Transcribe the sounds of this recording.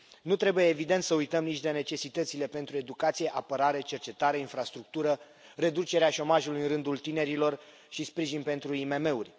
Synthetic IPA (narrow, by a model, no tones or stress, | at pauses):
nut̪ɾe̞buje̞ːvid̪e̞nt̪səujt̪əmnit͡ʃd̪e̞ne̞t͡ʃe̞sit̪ət̪sile̞pe̞nt̪ɾue̞d̪ukat̪sije̞ʔapəɾaɾe̞t͡ʃe̞rt͡ʃe̞t̪aɾeinfɾast̪ɾuk̚t̪uɾə | re̞d̪ut͡ʃe̞ɾeaʃo̞maʒulujɨnɾɨnd̪ult̪ine̞ɾilo̞r | ʃispɾiʒinpe̞n̪t̪ɾuime̞me̞urʲ